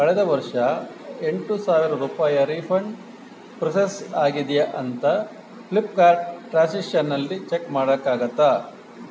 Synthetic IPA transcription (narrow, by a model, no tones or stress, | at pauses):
kɐɭɛd̪ɐʋɐɾʂɐ | eɳʈusaːʋiɾɐɾuːpaːjɐɾipʰɐɳ | pɾɐsesaːɡid̪jɐʔɐnt̪ɐ | plipkaːɾɖʈɾaːsiʂɐnːɐlːit͡ʃekmaːɽɐkːaːɡɐt̪ːa